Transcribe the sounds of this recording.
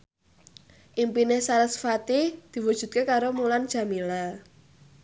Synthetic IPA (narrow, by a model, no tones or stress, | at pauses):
ʔimpinesaɾəsfat̪id̪̥i̤wud̥ʒ̥ṳt̪̚kekaɾomuland̥ʒ̥ä̤mila